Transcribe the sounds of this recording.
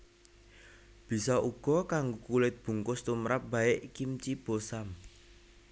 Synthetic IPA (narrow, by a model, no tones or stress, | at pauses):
b̥i̤sɔʔuɡ̥ɔ̤kaŋɡukulɪt̪̚b̥ṳŋkʊst̪umɾap̚b̥aɪʔkimt͡ʃib̥osam